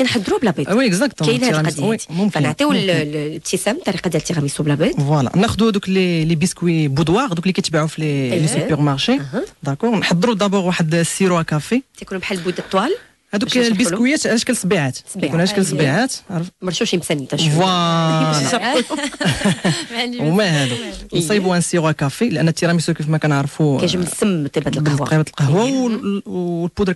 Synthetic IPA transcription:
kænħəd̪ːɾublabəwiəkzakt̪lʁmwimʊmknʕt̪ˤiwlt̪ʰːisæmt̪ːɑɾiqɑd̪jælt̪ːiʁɑmisublæbəd̪vwalɑ̰næxd̪uhæd̪uklilibiskwibud̪wɑʁd̪uklikæjt̪baʕufillisupəʁmaʁʃid̪ækɔʁnħəd̪ˤːɾud̪æbɔʁwaħəd̪siɾwakæfet̪ækunumħalːbud̪ət̪ˤːwæl | hæd̪uklbikwəjːæt̪ʕlæʃkəlːsˤbiʕat̪sunʕælæʃkəlsˤbiʕat̪ʕɾˤəfmɑɾˤʃuʃmsænit̪æwælɑ | wmæhæd̪unsˤibuænsiɾuwækæfilʔənːæt̪ːiɾɑmisukifmækænəʕɾˤfukʒəmnsəmt̪ibæt̪libæt̪əlqɑhwaw | lbud̪ɾ

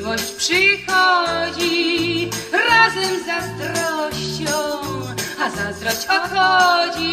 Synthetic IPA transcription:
vɔɕt͡ɕpʂɨxɔd͡ʑi | ɾazɛmzast̪ɾɔɕt͡ɕɔ̃w̃azast̪ɾɔɕt͡ɕɔxɔd͡ʑi

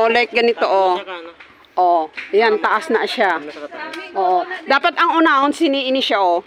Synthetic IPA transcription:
ʔolajk̚ɡɐnɪt̪oʔo | ʔojant̪ɐʔasnɐʔʃa | ʔoːʔod̪aːpɐt̪ɐŋʔuːnaonsɪniːʔɪniʃaʔo

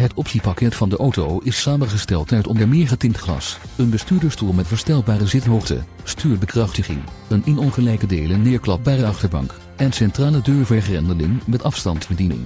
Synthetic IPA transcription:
ɦətɔpsipɑkɛtfɑndəʔowtowɪsːaːmənχəstɛlˠtɛɹtɔndəɹmɪːɹχətɪŋtχlɑ̰sənbəstyːɹdəɹstulˠmɛtvəɹstɛlˠbaːrəzɪtnɦoχtə̰ | styːɹt̚bəkrɑχtəχɪ̰ŋ | ənɪnɔnχəlɛjkədejlənɪːɹklɑp̚baːrəɑχtəɹbɑ̰ŋk | ɛnnsɛntraːlədøːɹvɛχrɛndəlɪ̰ŋmɛtɑfstɑntb̥ədinɪ̰ŋ

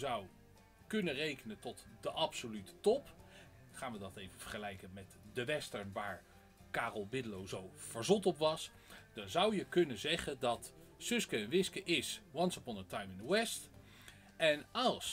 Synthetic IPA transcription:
zʌw | kɵnərejkənəntɔtdəʔɑpsolytə̥tɔp | χaːnʋədɑtejvəfəɹχəlɛjkənmɛtdəʋɛstəɹnʋaːɹ | kaːrəlˠbɪdəlowzowv̥əɹzɔtɔpʋɑs | d̥ɑnzʌwjəkɵnənzɛχəndɑt | sɵskəɛnʋɪskəʔɪswɑnsəpɔnətajmɪndəwɛst | ɛnɑlˠs

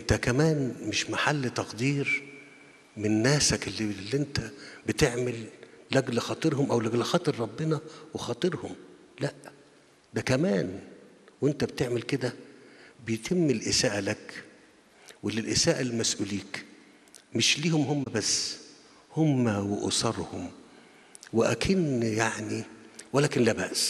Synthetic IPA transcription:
ʔent̪ækæmæːnmeʃmaħalːt̪ɑqd̪iːɾ | menːæːsækelːilːʔent̪æbet̪eʕmelːæɡlxɑːt̪ˤɨɾhomʔæwlæɡlxɑːt̪ˤɨɾˤɾˤɑbːenɑwexɑːt̪ˤɨɾhom | læʔ | d̪ækæmæːn | wʔent̪æbet̪eʕmelked̪æbejt̪ʰemːelʔɪsæːʔælæk | welːilʔesæːʔælmæsʔuːliːk | meʃliːhomhomːæbæsː | homːæweʔo̰sˤɑɾˤhom | weʔæ̰kʰiːnjaʕniwælæːkenlæːbæʔs

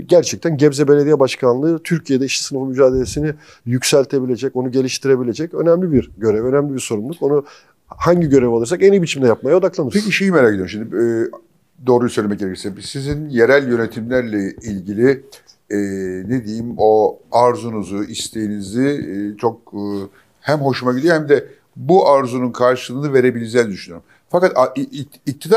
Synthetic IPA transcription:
ɟæɾt͡ʃʰɛc̚t̪ʰænɟɛbzɛbelʲe̞d̪ijɛbaʃkʰanlˠɯːt̪ʰyɾcʰije̞d̪ɛiʃt̪i̥sɯnɯfɯmyd͡ʒaːd̪e̞lʲe̞sinɪ | jycsælʲt̪ʰe̞bilʲe̞d͡ʒɛco̞nuɟe̞lʲiʃt̪ʰiɾe̞bilʲe̞d͡ʒɛcø̞næmlʲibiɾɟø̞ɾɛvø̞næmlʲibiɾso̞ɾumlˠuko̞nu | haɲɟiɟø̞ɾɛvalˠɯɾsakenibit͡ʃʰimd̪ʲɛjap̚majaod̪aklˠanɯɾpʰeciʃejimeɾaked̪jɾmʃimd̪i | d̪o̞ːɾujsøjlʲemɛc̚ɟeɾɛcʰisɛbisizinje̞ɾælʲjø̞ne̞t̪ʰimlʲæɾlʲɛilʲɟilʲi | ɛːned̪ejimo̞aɾzunuzuist̪ʰe̞jinizɪt͡ʃʰo̞k̚ː | hæmɦo̞ʃumaɟilʲijohæmd̪ɛ | buʔaɾzununkʰaɾʃɯ̥lˠɯːnɯve̞ɾe̞bilʲid͡ʒɛːnid̪yʃynyjøɾum | fakat̪ʰa | ic̚t̪ʰid̪a

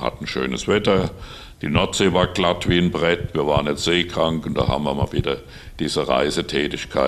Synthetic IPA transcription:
ha̰tn̩ʃø̰ːnə̰sv̥ɛtɐ | d̥iːnɔɐtz̥eːvaːɐɡlatv̥iːənbʁɛtviːɐvaːʁənjɛt͡sz̥eːkʁ̥aŋkʊnd̥a̰ːha̰ːmɐma̰viːdɐ | d̥iːzəʁa̰ɪzətʰɛːtɪçkʰaɪ

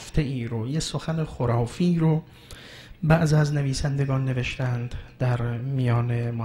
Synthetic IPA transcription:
ft̪ʰe̞iːɾojeso̞xænexoɾɒːfiɾo | bæʔziæzne̞viːsænd̪e̞ɡɒːnːe̞ve̞ʃt̪ænd̪d̪æɾmijɒːne̞mo

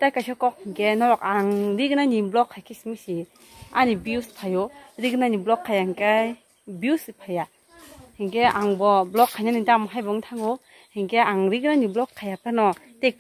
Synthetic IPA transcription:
tajkajsɔkɔk̚hiŋkenɔlɔkaŋɾiɡɯnanimblɔkʰːajkʰisimisi | a̰nibiuspʰajɔdiɡɯnaniblɔkʰːajaŋkaj | biusipʰaja | hiŋkeaŋbɔblɔkʰːajnanintamɔɦajbɔŋtʰaŋɡɔ | hiŋkeaŋɾiɡɯnaniblɔkʰːajapanɔ | tek̚

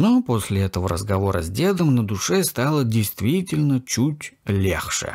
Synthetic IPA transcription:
noposʲlʲɪɛt̪əvəɾə̰zɡɐvo̞ɾə̰zʲdʲe̞d̪əmnəd̪ʊʂɛst̪alˠədʲɪjst̪vʲitʲɪlʲnət͡ɕutʲlʲḛxʂɨ̰

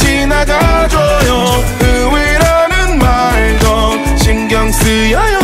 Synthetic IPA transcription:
t͡ɕinaɡad͡ʑojo | ɯwiɾanɯnma | ɭdo | t͡ɕiŋɡjʌŋsɯjʌjo

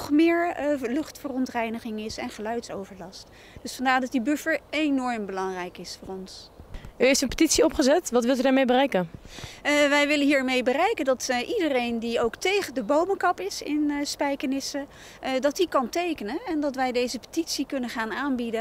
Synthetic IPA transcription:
χmɪːɹlɵχtfərɔntrɛjnəχɪŋɪsɛnχəlœɥtso̰wvəɹlɑst | d̥ɵsfɑndaːɹdɑt̚ibøfəɹenɔɹmbəlɑŋrɛjkɪsfʊːrɔnsyɦejftənpə̥titsiɔpχəzɛtʋɑtvʋɪlˠt̬ydaɹmejbərɛjkən | ʋɛjʋɪlənɦiːɹmejbərɛjkəndɑtʔidərejndiowktejχəndəbowməkɑpɪsɪnspɛjkənɪsə | dɑtikɑntejkənənɛndɑtʋɛjdejzəpə̥titsikɵnənχaːnaːnbidə

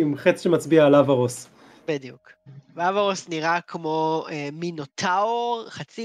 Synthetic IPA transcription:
imχet͡sʃemat͡sbiaːlavaʁos | bidjukveavaʁosniʁakʰmo̞eminot̪ʰaoʁχat͡si

